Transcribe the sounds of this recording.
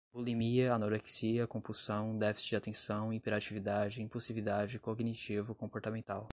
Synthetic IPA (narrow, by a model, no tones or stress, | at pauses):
b̥ulimiɐanoɾeksiɐkõpusɐ̃w̃d̪ɛfi̥sɪd͡ʒɪat̪ẽsɐ̃w̃ipeɾat͡ʃivid̪ad͡ʒɪĩpuwsivid̪ad͡ʒɪkoɡnit͡ʃivʊkõpoɾt̪amẽnt̪aw